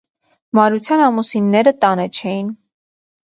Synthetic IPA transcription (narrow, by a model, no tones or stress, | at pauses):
mɑɾut͡sʰjɑnɑmusinːɛɾət̪ɑnɛt͡ʃʰɛjin